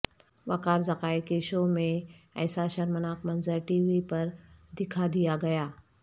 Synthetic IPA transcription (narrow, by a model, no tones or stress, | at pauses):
ʋɐkaːɾzɐkaːikeʃomẽɛ̰ːsaʃɐɾmənaːkmɐnzəɾʈiːʋipɐɾd̪ɪkʰad̪ijaɡɐjaː